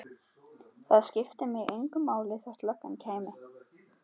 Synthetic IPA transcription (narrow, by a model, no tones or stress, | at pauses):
θaðscɪft̪ɪmɛɣejŋkʏmːaːwlɪθɛht̪lœkːancʰaːjmɪ